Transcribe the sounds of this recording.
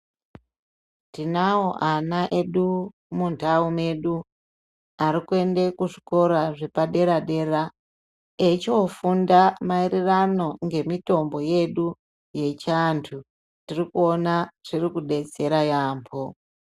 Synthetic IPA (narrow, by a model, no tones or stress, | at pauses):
tinaoʔanaʔe̞ɗu | mundʱaume̞ɗu | aɾikue̞nde̞kuʐiko̞ɾaʐe̞paɗe̞ɾaɗe̞ra | et͡ʃofundamairirano̞ŋɡe̞mito̞mbo̞je̞ɗu | je̞t͡ʃantʰu | tirikuo̞naʐ̥irikuɗe̞t͡se̞ɾajaːmpʰo